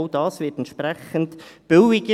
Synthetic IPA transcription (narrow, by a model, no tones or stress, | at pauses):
ʊd̥ɑːsʋɪtɛntʃpɾɛχəntb̥ɪwɪɡə